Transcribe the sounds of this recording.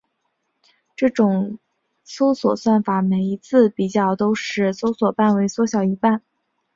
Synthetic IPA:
ʈ͡ʂɤ˥˩ʈ͡ʂʊ˨˩ŋ | so˥ʊswɔ˨˩swa˥˩nfa˨˩˦me˨˩ɪi˧˥t͡sʰɹ̩˥˩pi˨˩t͡ɕjɑ˥˩ʊt̪o˥ʊʂɻ̩˥˩so˥ʊswɔ˨˩pa˥˩nwe˧˥ɪswɔ˧˥ɕjɑ˨˩ʊi˧˥pa˥˩n

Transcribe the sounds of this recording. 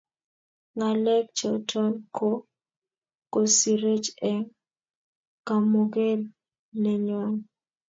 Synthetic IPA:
ŋa˨lɛ˦k̚t͡ʃɔ˨tʰɔ˦nkʰo˦ | ko˨si˨ɾe˦t͡ʃɛ˦ŋ | ka˨mo˨ɡe˦l | nɛ˨ɲɔ˨ŋ

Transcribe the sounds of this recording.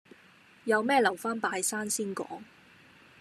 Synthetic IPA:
jɐ˨˧wmɛː˥lɐ˨˩wfaː˥npaː˧jsaː˥nsiː˥nkɔ̰ː˨˥ŋ

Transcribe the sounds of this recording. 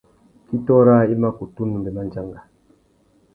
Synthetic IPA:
ki˦tɔ˦ɾa˦i˦ma˦ku˨tu˦nu˨mbɛ˨ma˦nd͡ʒa˦ŋɡa˨

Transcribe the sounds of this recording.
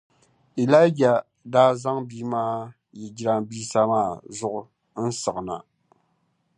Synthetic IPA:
i˨la˦d͡ʒa˨ | daː˦za˦ŋbiː˦maː˦ | jɛ˨d͡ʒi˦ɾa˦mbiː˦sa˦maː˦˨zʊ˦ʔʊ˨ | n̩˦sɨ˨ʔna̰˨

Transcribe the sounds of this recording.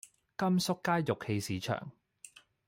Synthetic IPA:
kɐ˥msʊ˥kːaː˥jjʊ˨k̚he˧jsiː˨˥t͡ʃʰœ̰ː˨˩ŋ

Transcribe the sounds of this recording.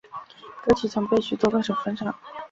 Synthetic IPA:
kɤ˥t͡ɕʰy˨˥˩t͡sʰɤ˧˥ŋpe˥˩ɪɕy˨˩t̪wɔ˥kɤ˥˩ʂɤ˨˩fə˥nʂɑ˥˩˦ŋ

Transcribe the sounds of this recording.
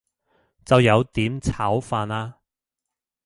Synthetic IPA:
t͡sɐ˨wjɐ˨˧wt̪iː˨˥mt͡sʰaː˨˥wfaː˧naː˧

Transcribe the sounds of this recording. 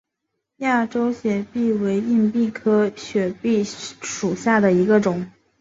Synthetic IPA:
ja˥˩ʈ͡ʂo˥ʊɕjɥɛ˨˩pi˥˩we˧˥ɪi˥˧npi˥˩kʰɤ˥ɕɥɛ˨˩pi˥˩ʂu˨˩ɕja˥˩d̪ə˩i˧˥ɡə˧ʈ͡ʂʊ˨˩˦ŋ

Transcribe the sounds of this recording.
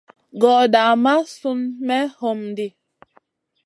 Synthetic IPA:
ɡɔ˨ʔda˨ma˦su˦nmɛ˦ho˨mdi˦˨

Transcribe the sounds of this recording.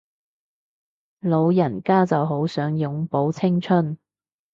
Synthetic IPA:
lo˨˧wjɐ˨˩nkaː˥t͡sɐ˨wɦo˨˥wsœː˨˥ŋjʊ˨ŋpo˨˥wt͡sʰɪ˥ŋt͡ʃʰɵ˥n

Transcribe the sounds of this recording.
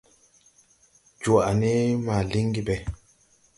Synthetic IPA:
d͡ʒu˨a˨ne˦ma˨li˦ŋɡi˦bɛ˨

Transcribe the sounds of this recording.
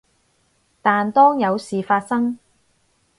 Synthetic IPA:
t̪aː˨nt̪ɔː˥ŋjɐ˨˧wsiː˨faː˧t̚sɐ˥ŋ

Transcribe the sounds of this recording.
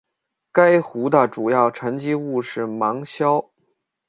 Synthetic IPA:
ka˥ɪxu˧˥d̪ə˨ʈ͡ʂu˨˩jɑ˥˩ʊʈ͡ʂʰə˧˥nt͡ɕi˥u˥˧ʂɻ̩˥˩mɑ˧˥ŋɕjɑ˥ʊ

